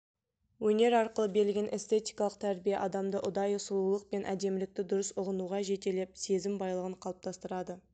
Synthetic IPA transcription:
wɵne̞ɾɑɾqəlˠəbe̞ɾɪlɡʲe̞nʔe̞st̪e̞t̪ijkɑlˠəq̚t̪ʰæɾbijeʔɑd̪ɑmd̪əʔʊd̪ɑjʊsʊlˠulˠəq̚pe̞nʔæd̪e̞mɪlɪk̚t̪ɪd̪ʊɾəsʊʁənuʁɑʒe̞t̪e̞le̞p̚se̞zɪmbɑjlˠəʁəɴqʰɑlˠəp̚t̪ʰɑst̪əɾɑd̪ə

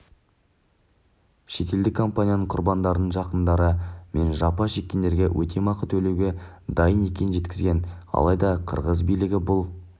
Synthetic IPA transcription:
ʃe̞k̪ʲe̞ld̪ɪkʰːo̞mpanʲijanəɴqʰʊɾbɑnd̪ɑɾənəɴʒɑqənd̪ɑɾəme̞nʒɑpɑʃe̞kʲːend̪e̞ɾɡʲewʔɵ̰t̪ʰe̞mɑqət̪ʰɵle̞wɡʲed̪ɑjəne̞kʲe̞nɪnʒe̞t̪kʲɪzɡʲe̞nɑ̰lˠɑjd̪ɑqʰə̰ɾʁəzbijlɪɡʲɪbʊlˠ

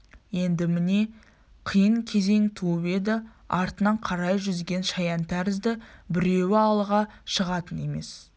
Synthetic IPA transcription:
je̞nd̪ɪmɪne̞ | qʰijəɴkʲʰe̞ze̞ŋt̪ʰuəpe̞d̪ɪ | ɑɾt̪ənɑɴqʰɑɾɑjʒʏzɡʲe̞nʃɑjɑnt̪ʰæɾɪzd̪ɪbɪɾe̞wɪɑlˠəʁɑʃəʁɑt̪əne̞me̞̰s

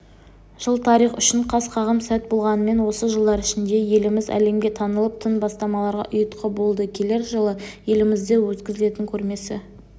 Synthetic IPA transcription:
ʒ̥əlˠt̪ʰɑɾijχʏ̰ʃɪɴqʰɑsqʰɑʁəmsæt̪̚bo̞lˠʁɑnəme̞nwo̞səʒəlˠd̪ɑɾɪʃɪnd̪e̞je̞lɪmɪzæ̰le̞mɡʲe̞t̪ʰɑnəlˠəp̚t̪ʰənbɑst̪ɑmɑlˠɑɾʁɑ̰ʔʊjət̪qʰəbo̞lˠd̪əkʲʰe̞le̞ɾʒəlˠəje̞lɪmɪzd̪e̞wɵt̪kʲɪzɪle̞t̪ɪŋkʲʰɵɾme̞sɪ̰

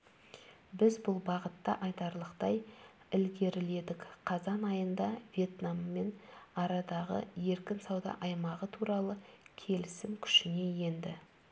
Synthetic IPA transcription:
bɪzbʊlˠbɑʁət̪ːɑʔɑjt̪ɑɾlˠəqt̪ɑj | ɪlɡʲe̞ɾɪle̞d̪ɪkqʰɑzɑnɑjənd̪ɑvje̞t̪namːe̞nɑɾɑd̪ɑʁə̰je̞ɾkʲɪnsɑwd̪ɑ̰ʔɑjmɑʁət̪ʰuɾɑlˠəkʲʰe̞lɪsɪmkʲʰʏ̥ʃɪne̞je̞nd̪ɪ

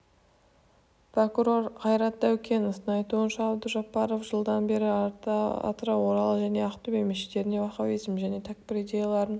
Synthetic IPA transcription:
pro̞kuɾo̞rqʰɑjɾɑt̪̚d̪æwkʲʰe̞nəst̪əɴɑjt̪uənʃɑːbd̪əʒɑpːɑɾo̞fʒəlˠd̪ɑnbe̞ɾɪ | ɑ̰t̪ɾɑwo̞ɾɑlˠəʒæne̞ɑqt̪ubejmeʃe̥t̪e̞ɾɪne̞wɑχɑwizmʒæne̞t̪ʰæk̚bɪɾijd̪ʲe̞jalˠɑɾən

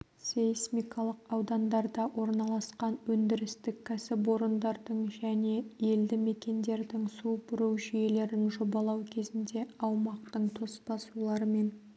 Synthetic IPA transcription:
sesmijkʰɑlˠəqɑwd̪ɑnd̪ɑɾd̪ɑwʔo̞ɾnɑlˠɑsqɑnwɵnd̪ɪɾɪst̪ɪkʲʰːæsɪpwo̞ɾənd̪ɑɾd̪əɴʒæne̞je̞ld̪ɪme̞kʲe̞nd̪e̞ɾd̪ɪŋsupʊɾuwʒʏje̞le̞ɾɪnʒobɑlˠɑwkʲʰe̞zɪnd̪e̞ɑwmɑq̚t̪əɴt̪ʰo̞spɑsulˠɑɾəme̞n

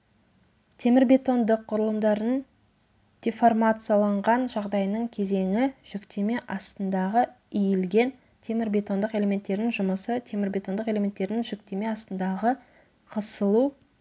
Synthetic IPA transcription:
t̪ʰe̞mɪɾbe̞t̪o̞nd̪əqʰːʊɾəlˠəmd̪ɑɾən | d̪̥ʲeformat̪sɨjalˠɑɴʁɑnʒɑʁd̪ɑjnəɴkʲʰe̞ze̞ŋɪʒ̥ʏkt̪e̞me̞ʔɑst̪ənd̪ɑʁə | ijɪlɡʲe̞n | t̪ʰe̞mɪɾbe̞t̪o̞nd̪əqe̞le̞mʲe̞nt̪ːe̞ɾnɪŋʒʊməsət̪ʰe̞mɪɾbʲe̞t̪o̞nd̪əqe̞le̞me̞nt̪ːe̞ɾɪnɪŋʒʏkt̪e̞me̞ɑst̪ənd̪ɑʁə | qʰəsəlˠu

